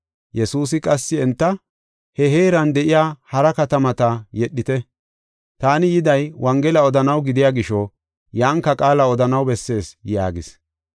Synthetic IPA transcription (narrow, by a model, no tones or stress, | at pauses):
jɛsuːsɪkʼɐsːɪɛnt̪ːɐ | hɛɦeːɾɐnd̪ɛʔɪjaːhɐɾɐkɐt̪ɐmɐt̪ɐjɛɗːɪt̪ɛ | t̪aːnɪjɪd̪ɐjwɐŋɡɛlɐɔd̪ɐnɐwɡɪd̪ɪjaːɡɪʃɔ | jaːŋkːɐkʼaːlɐɔd̪ɐnɐwbɛsːe̞ːsja̰ːɡɪs